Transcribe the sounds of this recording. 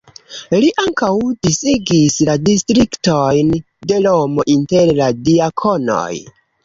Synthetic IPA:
liʔaŋkawdisiɡisladistɾiktojn | de̞lomoʔinteɾladiakʰono̞̰j

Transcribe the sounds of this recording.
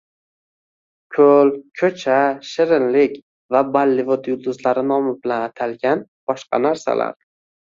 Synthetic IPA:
kʲʰɵlkʲʰɵt͡ʃʰaʃɪɾɪnlɪkʲ | vabalːɪvod̪jʊd̪ʊzlaɾɪnɒmɪbɪlanat̪ʰalɡʲanb̥ɒʃqɑ̰naɾsa̰la̰ɾ

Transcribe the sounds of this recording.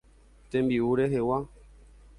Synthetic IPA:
tɛmbiwuɾɛɦewa

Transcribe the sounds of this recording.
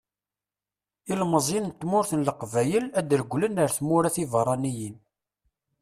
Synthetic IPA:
ilməzˤint̪ːmʊɾθənləqvæjəlæd̪ɾəɡʷːlənəɾθmʊɾæθivəɾˤɑnijin

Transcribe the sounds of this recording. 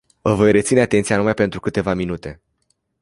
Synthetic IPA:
vəvo̞jre̞t̪sineat̪ent̪sianumajpe̞nt̪ɾukɨt̪e̞vaminut̪e̞

